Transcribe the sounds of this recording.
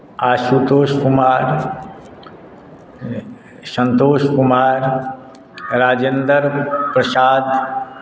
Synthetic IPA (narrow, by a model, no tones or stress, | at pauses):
aːʃut̪oːʃkʊmaːɾ | sə̃nt̪oːʃkʊmaːɾ | ɾaːd͡ʒend̪əɾpɾəsaːd̪